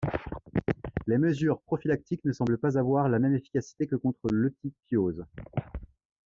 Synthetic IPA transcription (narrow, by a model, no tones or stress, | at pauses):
leməzyːʁpχɔfilak̚t̪iknəsɑ̃bləpazavwaʁlamɛmefi̥kʲasi̥t̪ekəkɔ̃t̪χəlot̪ipjoz